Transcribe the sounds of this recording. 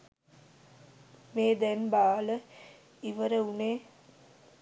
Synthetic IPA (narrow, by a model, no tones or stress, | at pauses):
meːd̪ɛnbaːlə | iʋəɾəuneː